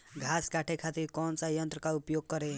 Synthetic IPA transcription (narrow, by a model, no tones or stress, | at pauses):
ɡʱaskaʈʰekʰat̪iɾkɔnt͡sajʌnt̪ɾəkaupjoɡ̚kʌɾe